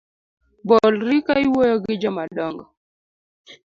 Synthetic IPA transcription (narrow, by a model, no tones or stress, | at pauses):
bɔlɾikaiwɔjɔɡɪd͡ʒɔmaɗɔŋɡɔ